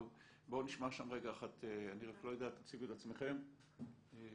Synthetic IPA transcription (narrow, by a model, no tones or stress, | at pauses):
v | bo̞niʃmaʃamʁeɡaːχat̪eaniʁaklojad̪aːt̪at͡siɡuetat͡smeχe̞m | e